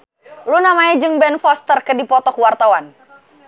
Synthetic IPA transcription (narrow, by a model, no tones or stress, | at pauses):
lunamaɛd͡ʒɨŋbɛnfɔst̪ərkədipɔt̪ɔkuwart̪awan